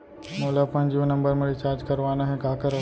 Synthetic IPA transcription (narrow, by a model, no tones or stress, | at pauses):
moːlapɐ̃nd͡ʒunɐ̃mbəɾmeɾɪt͡ʃaːɾd͡ʒkɐɾʋaːnaɦɛ̃kaːkəɾ